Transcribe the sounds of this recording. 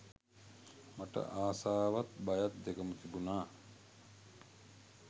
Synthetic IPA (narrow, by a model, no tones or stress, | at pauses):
maʈə̰ʔaːsaːʋat̪bajat̪̚d̪ekəmət̪ibunaː